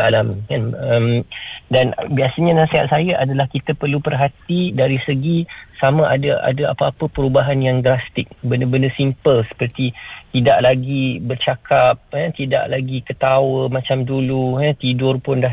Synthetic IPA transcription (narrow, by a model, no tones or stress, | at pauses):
alamkanəmdanbiasəɲanasiɦat̪̚sajaʔadalahkit̪apərlupərɦat̪idaɾisəɡisamãʔadaʔa̰daa̰paapəpəɾubaɦanjaŋdɾast̪ɪk̚bəndəbəndəsimpəlsə̥pərt̪it̪ida̰ʔlaɡibərt͡ʃakap̚ət̪ida̰ʔlaɡikət̪awəmãt͡ʃamduluɦət̪idʊrpʊnda